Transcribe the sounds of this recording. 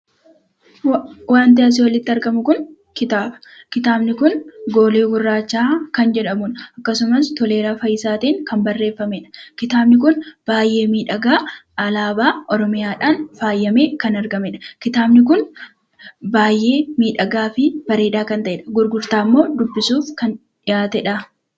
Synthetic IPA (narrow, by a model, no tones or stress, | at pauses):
waːnt̪ɪɐs̬ɪwɐlɪt̪ːɪɐɾɡɐmʊkʊn | kɪt̪aːbɐ̥ | kɪt̪aːbnɪkʊnɡo̞ːleːɡʊrːaːt͡ʃːaːkɐnd͡ʒɛᶑɐmʊnɐkːɐsʊmɐst̪ɔle̞ːɾaːfɐjɪsaːt̪eːŋkɐmbɐrːe̞ːfːɐmeːᶑɐ̥kɪt̪aːbnɪk̬ʊnb̥aːjʔe̞ːmiːᶑɐɡaːɐlaːbaːʔɔɾɔmɪjaːᶑaːnfaːjːɐme̞ːkɐnɐɾɡɐmɛᶑɐ̥kɪt̪aːbnɪk̬ʊn | baːjʔe̞ːmiːᶑɐɡaːfɪb̥ɐɾeːᶑaːkɐnt̪ɐʔeːᶑɐ̥ɡʊɾɡʊɾt̪aːmːo̞ːd̪ʊbːɪsuːfkɐn | ᶑɪjaːt̪ɛᶑɐ